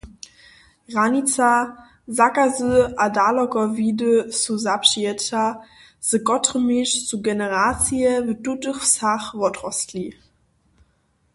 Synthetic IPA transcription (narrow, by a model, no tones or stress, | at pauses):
ʁanit͡sa | zakazøadalɔkɔviːdəsuzapʃiɛta | z̥əkɔtʁəmiʃt͡suɡɛnəʁat͡siəvədutəχsaχvɔtʁɔstli